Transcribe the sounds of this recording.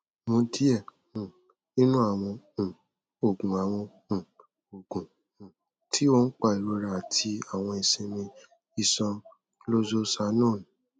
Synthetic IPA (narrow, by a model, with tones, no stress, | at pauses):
mõ˧di˦ɛ˦˨ | ũ˨ | nĩ˦nũ˦a˦˨w̃ɔ̃˧˨ | o˨ɡũ˨a˨w̃ɔ̃˧˨ | o˨ɡ̥ũ˨ | tʰi˦wo˦n̩˦k͡pa˦˨i˨ɾo˧ɾa˨tʰi˧a˨w̃ɔ̃˧ɛ˨sẽ˧mĩ˧ | i˨sɔ̃˧ | lo˦zo˦sa˧nɔ̃ː˦˨ñ˨